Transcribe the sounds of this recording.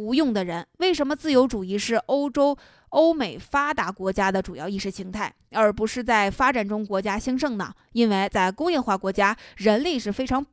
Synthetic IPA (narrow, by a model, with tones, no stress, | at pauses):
u˧˥jʊ˥˩ŋd̪ə˩ɻə˧˥nwe˥˩ɪʂə˧˥nmə˧t͡sɹ̩˥˩jo˧˥ʊʈ͡ʂu˨˩i˥ʂɻ̩˥˩ʔo˥ʊʈ͡ʂo˥ʊ | o˥ʊme˨˩ɪfa˥t̪a˧˥kwɔ˧˥t͡ɕja˥d̪ə˨ʈ͡ʂu˨˩jɑ̰˥˧ʊi˥˩ʂɻ̩˧˥˩ɕʰi˧˥ŋt̪ʰa˥˩ɪə˞˧˥pu˧˥ʂɻ̩˥˧t͡sa˥˩ɪfa˥ʈ͡ʂa˨˩nʈ͡ʂʊ˥ŋkwɔ˧˥t͡ɕja˥ɕi˥ŋʂɤ˥˩ŋnə̰˩ | i˥nwe˥˧ɪt͡sa˥˩ɪkʊ˥ŋjɛ˥˧nxwa˥˩kwɔ˧˥t͡ɕja˥ɻə˧˥nli˥˧ʂɻ̩˥˩fe˥ɪʈ͡ʂʰɑ˧˥ŋ